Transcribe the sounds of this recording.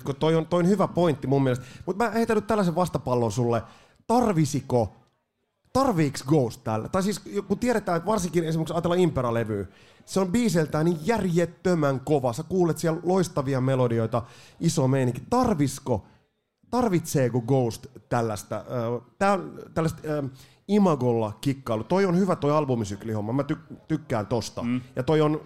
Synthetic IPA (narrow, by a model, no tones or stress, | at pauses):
kot̪oiont̪oijonhyʋæpoint̪ːimumːielest̪mut̪mæeit̪ænːyt̪ælːæseʋʋɑst̪ɑpɑlːonsulːe | t̪ɑrʋisiko | t̪ɑrʋiːksɡoust̪tælːt̪ɑisiːskut̪ieɾet̪æːnt̪ʋɑrsiŋkinesimˑæksɑːt̪elːɑimpeɾɑleʋyː | seombiːselt̪æːnijjærjet̪ːømæŋkoʋɑsækuːlet̪siɛlloist̪ɑʋiɑmelodioit̪ɑisomeiniŋkit̪ɑrʋisko | t̪ɑrʋit̪seːkoɡoust̪t̪ælːæst̪æ̰əːt̪æːont̪ælːæst̪ː | imɑɡolːɑkikːɑilut̪oionhyʋæt̪oiɑlbumisyklihomːɑmæt̪ykt̪ykːæːnt̪ost̪ɑ̰jɑt̪oion